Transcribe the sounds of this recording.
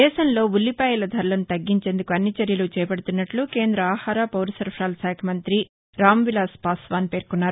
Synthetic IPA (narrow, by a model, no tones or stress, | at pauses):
d̪ɛːʃɐnlo̞ːulːipaːjɐlɐd̪ʱɐɾlɐnt̪ɐɡːiɲt͡ʃe̞ːnd̪ukuɐnːit͡ʃɐɾjɐlut͡ʃɛːpɐɽut̪unːɐʈluke̞ːnd̪ɾɐaːhaːɾaːpɐwɾɐsɐɾpʰɾaːlsaːkʰɐmɐnt̪ɾi | ɾaːmʋilaːspaːsʋaːnpe̞ːɾkunːaːɾu